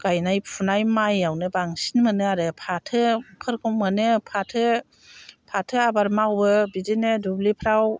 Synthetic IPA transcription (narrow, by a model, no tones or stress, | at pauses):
ɡ̥ajnajpʰunajmajawnɯbaŋsinmɯnɯaɾɯpʰatʰɯpʰɯɾkʰɔŋmɯnɯpʰatʰɯ | pʰatʰɯabaɾmawbɯbidinɯdublipʰɾaw